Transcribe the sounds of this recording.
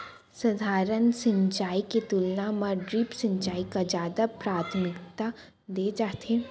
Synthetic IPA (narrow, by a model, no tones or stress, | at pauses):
sɐd̪ʱaːɾənsɪ̃ɲt͡ʃaːiket̪ulnamɐɾɖɾiːpsɐ̃ɲt͡ʃaːikad͡ʒaːd̪apɾaːt̪ʰmɪkt̪a | d̪eːd͡ʒaːt̪ʰeː